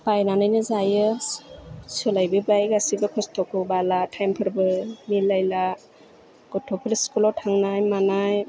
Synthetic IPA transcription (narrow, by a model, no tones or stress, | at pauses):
bajnanajnɯzajɯ | sɯlajbɯbajɡasibɯkʰɔstʰɔkɯbalatʰajmpʰɯɾbɯmilajla | ɡ̥ɔtʰɔpʰilskulɔtʰaŋnajmanaj